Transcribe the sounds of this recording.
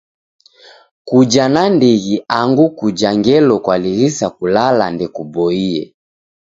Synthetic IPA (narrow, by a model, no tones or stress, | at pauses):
kud͡ʒanandiɣiaŋɡukud͡ʒaŋɡɛlɔkwaliɣisakulala̰ndɛkubɔiɛ̰